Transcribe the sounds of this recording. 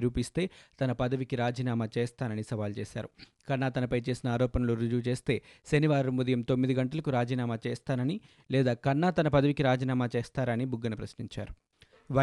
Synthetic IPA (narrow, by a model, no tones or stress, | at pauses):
ɾuːpist̪e̞ːt̪ɐnɐpɐd̪ɐʋikiɾaːd͡ʒiːnaːmaːt͡ʃeːst̪aːnɐnisɐʋaːlt͡ʃeːsa̰ːɾu | kɐɾnaːt̪ɐnɐpɐjt͡ʃe̞ːsinɐaːɾɔːpɐnɐluɾud͡ʒuːt͡ʃe̞ːst̪e̞ːʃeniʋaːɾumud̪ɐjɐmt̪o̞mːid̪iɡɐɳʈɐlɐkuɾaːd͡ʒiːnaːmaːt͡ʃeːst̪aːnɐni | lɛːd̪aːkɐnːaːt̪ɐnɐpɐd̪ɐʋikiɾaːd͡ʒiːnaːmaːt͡ʃeːst̪aːɾɐnibuɡːɐnɐpɾɐsniɲt͡ʃa̰ːɾu | ʋɐ